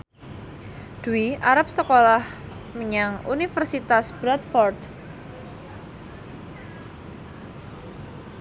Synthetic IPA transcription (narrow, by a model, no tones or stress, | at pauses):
d̪̥uiʔaɾap̚səkolah | məɲaŋṵnifərsit̪asb̥ɾat̪fɔrd̪